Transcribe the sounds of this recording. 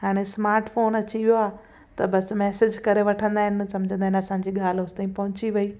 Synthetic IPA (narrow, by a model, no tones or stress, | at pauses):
ɦaːɽ̃esmaːɾʈfoːnɐt͡ɕiʋijoaː | t̪ɐbɐsmɛːsɪd͡ʑkɐɾeʋɐʈʰə̃nd̪aːɦɪnɪ̆sɐ̃md͡ʑʱə̃nd̪aːɦɪnɐsãːɲ̆d͡ʑiːɠaːl̤ʊst̪aːĩpɐɦʊt͡ɕiʋɐiː